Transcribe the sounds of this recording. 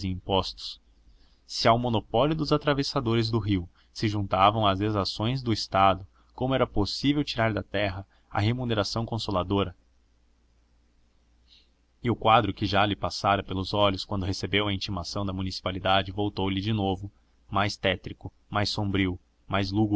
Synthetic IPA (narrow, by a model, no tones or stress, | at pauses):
zɪĩmpɔst̪ʊ̥s | sɪawmonopɔljʊd̪ʊzat̪ɾavesad̪oɾɪzd̪ʊɦiw | sɪʒũnt̪avɐ̃w̃ɐzd̪ezasõj̃zd̪ʊɪst̪ad̪ʊ | kõmʊɛɾɐposivewt͡ʃiɾaɾd̪ɐt̪ɛɦɐ | ɐ̰ɦemuneɾasɐ̃w̃kõsolad̪oɾɐ | ɪʊkwad̪ɾʊkɪʒalɪpasaɾɐpelʊzɔʎʊskwɐ̃nd̪ʊɦesebewɐĩnt͡ʃimasɐ̃w̃d̪ɐmunisi̥palid̪ad͡ʒɪvowt̪owlɪd͡ʒɪnovʊ | majst̪ɛt̪ɾikʊ | majsõmbɾiw | majzluɡ